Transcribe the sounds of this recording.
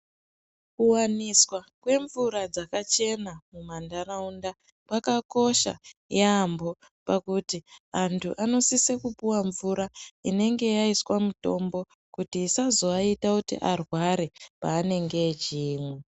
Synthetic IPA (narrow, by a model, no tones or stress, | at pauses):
kuwaniswakwe̞ɱvuɾad͡zakat͡ʃe̞namumandaraunda | pakako̞ʃa̰jambo̞ | pakutiantʰuʔano̞sisekupuwaɱvuɾaine̞ŋɡe̞jaiswamuto̞mbo̞ | kutiːsazo̞aitakutḭʔarwaɾe̞paːne̞ŋɡe̞d͡ʒiːmwe